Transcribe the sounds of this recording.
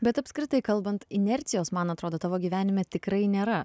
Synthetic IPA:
bʲɛt̪ɐpʲsʲkɾʲɪt̪ɐɪkɐlˠbɐnt̪ɪnʲɛɾʲt̪sʲɪjoːsmɐnɐt̪ɾoːd̪oːt̪ɑːʋoːɡʲiːʋʲæːnʲɪmʲɛt̪ʲɪkɾɐɪnʲeːɾɐ

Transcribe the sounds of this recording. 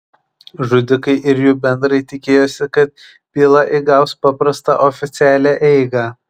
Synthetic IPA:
ʒʊd̪ʲɪkɐɪʔɪɾjuːbʲɛnd̪ɾɐɪt̪ʲɪkʲeːjoːsʲɪkɐt̪̚ | pʲiːlˠɐʔɪɡɑʊspɑpɾɐst̪ɑ̰ʔofʲɪt̪sʲɪæːlʲæːʔɛɪɡɑ

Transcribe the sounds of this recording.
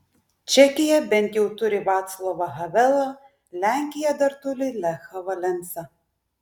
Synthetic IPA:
t͡ʃʲɛkʲɪjɛbʲɛnʲt̪ʲjɛwt̪ʊɾʲɪʋɑːt̪slˠɔʋɐɦɐʋʲɛlˠɐ | lʲæŋʲkʲɪjɛd̪ɐɾt̪ʊlʲɪlʲɛxɐʋɐlʲɛnt̪sɐ

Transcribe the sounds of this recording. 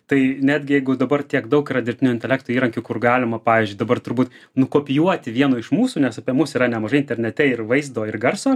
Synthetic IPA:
t̪ɐɪnʲæːd̪ʲɡʲɪjɛɪɡʊd̪ɐbɐrt̪ʲiɛkd̪ɐʊkɾɐd̪ʲɪɾʲt̪ʲɪnʲʊɪnʲt̪ʲɛlʲæːkt̪oːiːɾɐŋkʲʊkʊrɡɑːlʲɪmɐpɑːʋʲiːzʲd͡ʒʲʊɪd̪ɐbɐrt̪ʊɾbuːt̪ | nʊkoːpʲɪjuɔt̪ʲɪʋʲiɛnoːɪʃmuːsuːnʲɛsɐpʲiɛmʊsiɾɐnʲɛmɐʒɐɪnʲt̪ʲɛɾʲnʲɛt̪ʲɛɪrʋɐɪzd̪oːɪrɡɐrsoː

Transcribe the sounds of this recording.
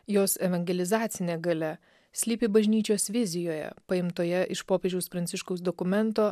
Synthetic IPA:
joːsɛʋɐŋʲɡʲɛlʲɪzɑːt̪sʲɪnʲeːɡɐlʲɛ | sʲlʲiːpʲɪbɐʒʲnʲiːt͡ʃʲoːsʋʲɪzʲɪjoːjɛ̰pɐɪmt̪oːjɛʔɪʃpoːpʲeːd͡ʒʲɛʊspɾɐnʲsʲɪʃkɐʊsd̪ɔkʊmʲɛnt̪oː

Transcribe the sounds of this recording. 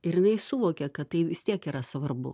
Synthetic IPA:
ɪɾjɪnɐɪsʊʋoːkʲɛkɐt̪t̪ɐɪʋʲɪst̪ʲiɛkiːɾɐsʋɐrbʊ̰

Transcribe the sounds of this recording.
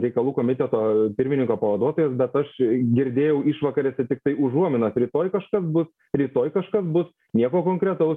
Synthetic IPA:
ɾʲɛɪkɐlˠuːkoːmʲɪt̪ʲɛt̪oːpʲɪɾʲmʲɪnʲɪŋkoːpɐʋɐd̪uɔt̪oːjɛsbʲɛt̪ɐʃɡʲɪɾʲd̪ʲeːjɛʊɪʃʋɐkɐɾʲɛsʲɛt̪ʲɪk̚t̪ɐɪʊʒuɔmʲɪnɐsɾʲiːt̪oːjkɐʃkɐsbʊs | ɾʲiːt̪oːjkɐʃkɐsbʊs | nʲiɛkoːkoːŋkɾʲɛt̪ɐʊs

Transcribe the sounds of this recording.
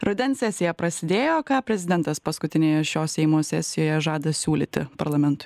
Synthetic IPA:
ɾʊd̪ʲɛnsʲɛsʲɪjɛpɾɐsʲɪd̪ʲeːjoːkɑːpʲɾʲɛzʲɪd̪ʲɛnt̪ɐspɐskʊt̪ʲɪnʲeːjɛʃʲoːsʲɛɪmoːssʲɛsʲɪjoːjɛʒɑːd̪ɐsʲuːlʲḭːt̪ʲɪ̰pɐɾlˠɐmʲɛnt̪ʊ

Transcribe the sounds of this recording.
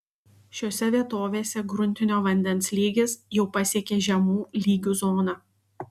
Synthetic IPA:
ʃʲoːsʲɛʋʲiɛt̪oːʋʲeːsʲɛɡɾʊnʲt̪ʲɪnʲoːʋɐnʲd̪ʲɛnˑslʲiːɡʲesjɛʊpɐsʲiɛkʲeʒʲɛmuːlʲiːɡʲuzoːnɐ

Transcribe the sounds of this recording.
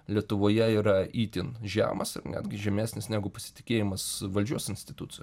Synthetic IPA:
lʲiɛt̪ʊʋoːjɛiːɾɐiːt̪ʲɪnʒʲæ̰ːmɐsɪ̰rnʲæ̰ːd̪ʲɡʲɪʒʲɛmʲæːsnʲɪsnʲæːɡʊpɐsʲɪ̥t̪ʲɪ̥kʲeːjɪmɐsʋɐlʲd͡ʒʲuɔsɪnʲsʲt̪ʲɪt̪ut̪sʲɪj

